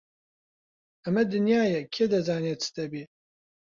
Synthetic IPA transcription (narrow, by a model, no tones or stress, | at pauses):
ɐmɛd̪ɨnjaːjɛkʰeːd̪ɐzaːnet͡sʰɨ̥t̪ɛbiː